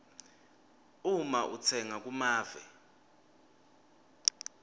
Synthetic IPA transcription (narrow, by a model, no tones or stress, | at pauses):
umaʔṵt͡sʰɛŋak̬ʼumaːvɛ̰